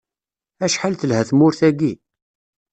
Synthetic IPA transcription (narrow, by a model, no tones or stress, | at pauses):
æʃħalθəlhæθmʊɾθæɡi